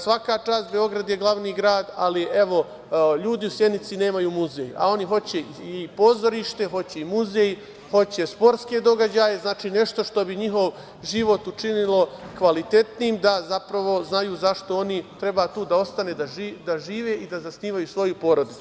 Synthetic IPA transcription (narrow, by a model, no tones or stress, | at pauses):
sʋakat͡ʃaːst̪̚be̞o̞ɡɾad̪jeɡlˠaʋniːɡɾaːd̪aliʔe̞ʋo̞ | ʎuːd̪iusjed̪nit̪sine̞ːmajuːmuzeja̰o̞niɦo̞t͡ɕe̞ | ipo̞zoɾiʃt̪e̞ɦo̞t͡ɕeimuzej | ho̞t͡ɕe̞spo̞ɾt̪ske̞d̪o̞ɡad͡ʑaːje̞znaːt͡ʃiːne̞ʃt̪o̞ʃt̪o̞biɲiɦo̞ʋ | ʒiʋo̞t̪ut͡ʃinilo̞kʋalit̪e̞t̪niːmd̪azapɾaʋo̞znajuːzaʃt̪o̞o̞nit̪ɾe̞baːt̪uːd̪ao̞st̪aneːd̪aid̪aʒiːʋe̞ʔid̪azasniːʋajusʋo̞jupo̞ɾo̞d̪it̪u